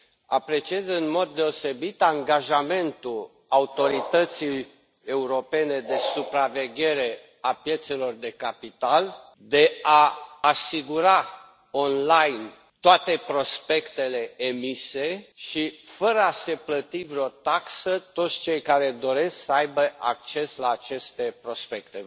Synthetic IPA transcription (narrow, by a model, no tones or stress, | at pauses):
apɾe̞t͡ʃiezɨnmo̞d̪̚ːe̞o̞se̞bit̪aŋɡaʒame̞nt̪ul | aut̪o̞ɾit̪ət̪sij | euɾo̞pe̞ne̞d̪e̞supɾave̞ɡʲe̞ɾe̞ | apje̞t̪se̞lo̞rd̪e̞kapit̪al | d̪e̞aːsiɡuɾa | o̞nlajn | t̪oat̪e̞pɾo̞spe̞kt̪e̞le̞ːmise̞ʃifəɾəase̞plət̪ivɾeo̞t̪aksət̪o̞t̪sʲt͡ʃe̞jkaɾe̞d̪o̞ɾe̞sksəajbəʔak̚t͡ʃe̞slaːt͡ʃe̞st̪e̞pɾo̞spe̞kt̪e̞